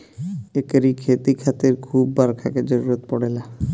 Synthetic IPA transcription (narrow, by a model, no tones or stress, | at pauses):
ekeɾikʰet̪ikʰat̪eɾkʰubːaɾkʰaked͡ʑoɾuɾot̪̚pɔɽela